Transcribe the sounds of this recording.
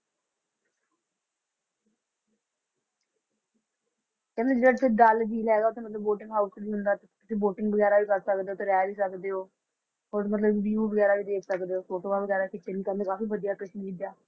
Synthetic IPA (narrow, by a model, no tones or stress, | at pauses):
kɛ̃ːnẽːəɽt̪ʰeɖald͡ʒiːlɦɛːɡaːʊt̪ʰẽːmət̪ləbːoːʈɪ̃ŋɡɦaːuskːbiːɦʊnd̪aːt̪ek̪ɪsĩːboːʈɪŋɡbəɡɛːɾaːʋiːkəɾsəkd̪eoːt̪eɾɛːʋiːsəkd̪eːɦoː | oɾmət̪̬ləbbiːuːbəɡɛːɾaːʋiːd̪eːkʰsəkd̪eːoːfoːʈoːʋaːʋəɡɛːɾaːkɪt̪ːeːniːkəɾnd̪eːkaːfiːʋəd̪ijaːkəʃnĩkid̪jaː